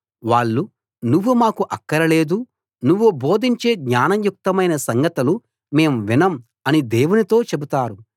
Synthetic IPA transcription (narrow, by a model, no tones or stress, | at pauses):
ʋaːɭːu | nuʋːumaːkuʔɐkːɐɾɐle̞ːd̪u | nuʋːubo̞ːd̪ʱiɲt͡ʃeːɡɲaːnɐmjuk̚t̪ɐmɐjnɐsɐŋɡɐt̪ɐlu | me̞ːmʋinɐm | ɐnid̪eːwunit̪o̞ːt͡ʃe̞but̪aːɾu